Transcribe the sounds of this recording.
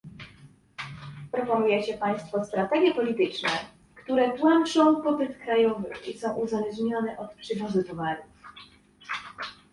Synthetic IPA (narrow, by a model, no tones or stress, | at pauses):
pɾɔpɔnujɛt͡ɕɛpaj̃st̪fɔst̪ɾat̪ɛɡʲjɛpɔlʲit̪ɘt͡ʂnɛ | kt̪uɾɛpwant͡ʂɔ̃w̃pɔpɘt̪kɾajɔvɘ̰isɔ̃w̃ʔuzalɛʐɲɔnɛʔɔt̪pʂɘvuzɘt̪ɔvaɾuf